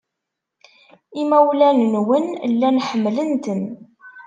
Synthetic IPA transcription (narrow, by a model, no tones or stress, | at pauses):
imæwlænnwənlːænħəmːlənt̪ən